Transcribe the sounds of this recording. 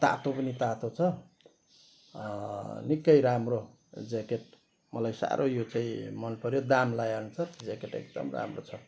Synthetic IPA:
t̪a̰t̪opʌnit̪at̪ot͡sʰʌ | nikːʌjɾamro | d͡zekeʈ̚ | mʌlajsa̰ɾʔojot͡saĩmʌnpʌɾjod̪amlajant͡sʰʌrd͡zekeʈḛɡ̚d̪ʌ̰mra̰mrot͡sʰʌ

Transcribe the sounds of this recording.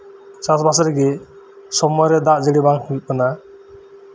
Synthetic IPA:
sasbasɔɾɛɡɛ | sɔmɔjɾɛd̪aʔd͡ʒeɽibaŋhil̚kana

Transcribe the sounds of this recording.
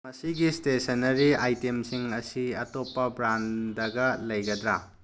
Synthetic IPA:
mɐsiɡistesɐnɐɾiajtemsiŋɐsiɐtopːɐbɾandɐɡɐlɐjɡɐd̪ɾa

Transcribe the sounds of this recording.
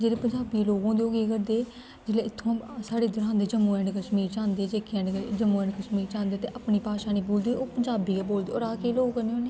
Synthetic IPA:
d͡ʒeːɾeːpəɲd͡ʒaːbiːloːɡõːnd̪eoːɡeːkəɾd̪eː | d͡ʒɪleːɪt̪ʰːõːsaːɽeːd̪əɾãːnd̪eːd͡ʒəmːuːɛ̃ːɳɖkəʃmiːɾt͡ʃãːnd̪eːd͡ʒeːkʰɛ̃ːɖd͡ʒəmːuːɛ̃ːɳɖkəʃmiːɾt͡ʃãːnd̪eːt̪eːʔapniːpaːʃaːnĩːbuːld̪eːoːpəɲd͡ʒaːbiːkaboːld̪eːoɾaːkeːloːɡkəneoːneː

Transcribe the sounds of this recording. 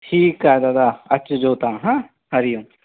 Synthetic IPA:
ʈʰiːkaːed̪aːd̪aɐt͡ʃd͡ʒoːt̪aːɦãː | hɐɾijũː

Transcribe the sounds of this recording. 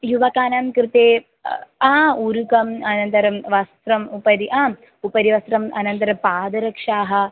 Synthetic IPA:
juʋɐkaːnamkɾɪt̪eː | auɾukɐmɐnɐnt̪ɐɾɐmʋɐst̪ɾɐmupɐd̪iʔaː | upɐɾiʋɐst̪ɾɐmɐ̰nɐnt̪ɐɾɐpaːd̪ɐɾɐkʂaːɦɐ̆

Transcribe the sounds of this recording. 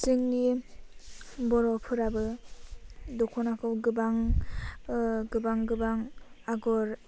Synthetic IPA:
sɯŋni | bɔɾɔpʰɯɾabɯ | dɔkʰɔnakʰɯwɡɯbaŋ | ɡɯbaŋɡɯbaŋaɡɔɾ

